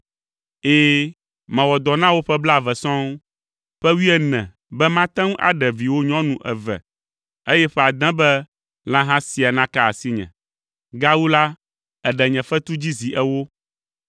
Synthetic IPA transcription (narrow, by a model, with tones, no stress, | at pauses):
eː˦ | mɛ̃˨wɔ˨d̪ɔ˨nã˦wo˦ɸɛ˦bla˦˨vɛ˨sɔ̃˦ŋ | ɸɛ˦wi˦ɛ˦nɛ̃˨ | bɛ˦mã˦t̪ɛ̃˦ŋũ˦ʔa̰˨ɖɛ˨vi˨wo˦ɲɔ̃˦nũ˨ʔɛ̰˨vɛ̰˨ | e˦jɛ˦ɸɛ˦a˨d̪ɛ̃˦bɛ˦ | lã˦ɦã˦si˨a˨nã˦ka˦a˨si˦ɲɛ̰̃˨ | ɡa˦wu˦la˦ | ɛ˨ɖɛ˨ɲɛ̃˨fɛ˦t̪u˦d͡ʑi˦zi˨ʔɛ˦wo˦